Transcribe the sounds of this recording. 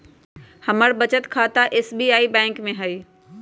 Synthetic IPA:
hɐməɽbɐt͡ɕət̪kʰaːt̪aʔeːsbiːaːibɛ̃ːŋkmẽɦɐiː

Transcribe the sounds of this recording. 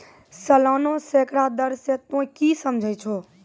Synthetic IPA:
səlaːnosekɽad̪əɾset̪õkisəmd͡ʒʱət͡ʃʰo

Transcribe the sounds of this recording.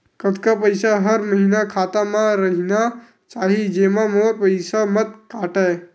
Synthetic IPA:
kət̪kapəjsaɦəɾməɦiːnakʰaːt̪amãɾəɦina | t͡ʃaːɦid͡ʒeːmãmoːɾpəɪsamət̪kaːʈae

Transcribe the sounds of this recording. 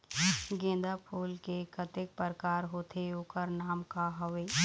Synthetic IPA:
ɡẽːnd̪apʰuːlkekət̪ɪk̚pəɾkaːɾɦoːt̪ʰeoːkəɾnaːmkaɦɐʋeː

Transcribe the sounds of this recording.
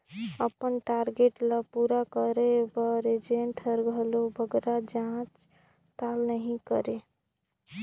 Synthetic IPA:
əpənʈaɾɡeʈləpuɾakəɾebəɾed͡ʒeɳʈʰəɾɡʱəlobəɡɾad͡ʒãt͡ʃ | t̪alnəɦĩkəɾe

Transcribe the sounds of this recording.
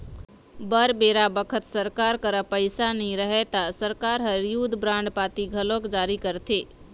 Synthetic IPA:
bəɾbeːɾabəkʰət̪səɾkaːɾkəɾəpəɪsanəɦĩɾəɦet̪asəɾkaːɾɦəɾjud̪ʱbɾãːɳɖpaːt̪iɡʱəlõːkd͡ʒaːɾikəɾt̪ʰeː

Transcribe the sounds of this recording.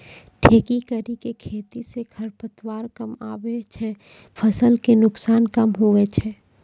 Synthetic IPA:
ʈʰeːkikəɾikekʰeːt̪isekʰəɾpət̪waːɾkəma̰ːwet͡ʃʰɛ | pʰəsəlkenʊksaːnkəmɦuet͡ʃʰɛ

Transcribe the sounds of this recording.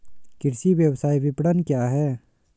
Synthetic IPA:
kɪɾsiʋjəwsaːibɪpɽənkjaːɦɛː

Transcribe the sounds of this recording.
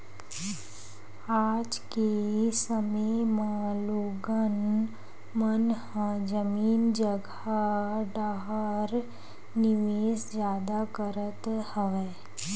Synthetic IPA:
aːd͡ʒkesəməjmãloːɡən | mənhãd͡ʒəmiːnd͡ʒəɡ | aɖaːɦaɾ | nɪʋeːʃzjaːd̪akəɾət̪həʋeː

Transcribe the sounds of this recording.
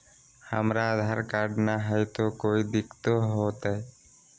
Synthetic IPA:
ha̰mɾaːd̪ʱaɾkaɖnaɦajt̪okojd̪ikt̪oɦɔt̪aj

